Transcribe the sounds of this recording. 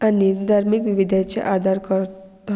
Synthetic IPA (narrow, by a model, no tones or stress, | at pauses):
anid̪ʱaɾmikʋiʋid̪ʱat͡ʃḛʔaːd̪ʱaɾkəɾ